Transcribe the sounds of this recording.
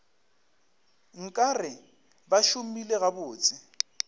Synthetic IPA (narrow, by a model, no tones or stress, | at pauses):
ŋ̩kʼarɪ | baʃumileɣabʊːt͡sʼɪ